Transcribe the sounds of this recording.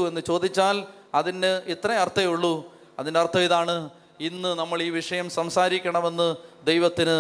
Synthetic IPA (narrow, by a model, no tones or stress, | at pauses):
ue̞nːɨt͡ɕo̞ːd̪it͡ɕːaːlɐðindeit̪rɐjɐrt̪ʰːɐjuɭːu | ɐ̰ðindeɐrt̪ʰːɐʋiðaːɳɨ | inːɨnɐmːɐɭiːʋiʂɐjɐmsɐmsaːɾikʲːɐɳɐme̞nːɨd̪ejʋɐt̪ːinɨ